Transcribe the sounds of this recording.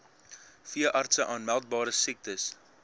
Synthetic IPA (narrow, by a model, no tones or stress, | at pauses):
fiəʔɐrtsəʔɑːnmælˠt̚bɑːɾəsɛk̚təs